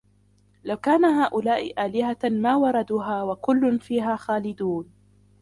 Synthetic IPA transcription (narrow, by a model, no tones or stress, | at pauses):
lawkaːnaɦaːʔʊlaːʔɪʔaːlɪhamaːwɑɾˤɑd̪uːɦaːwakʊlːʊnfiːɦaːxaːlɪd̪uːn